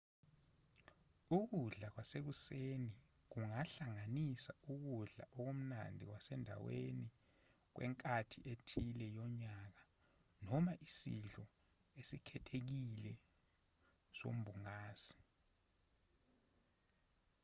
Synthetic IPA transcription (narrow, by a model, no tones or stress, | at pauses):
uk̬uɮak̬wasek̬useni | k̬uŋaɬaŋanisauk̬uɮa̰ʔɔk̬om̩na̰ndʱḭkwasɛndʱa̰wḛni | k̬wɛ̰ŋkʼatʰiʔetʰilɛjɔɲak̬a | nɔmaʔisḭɮɔ | esikʰɛtʰek̬ilɛ | so̰m̩bʱuŋaːsi̥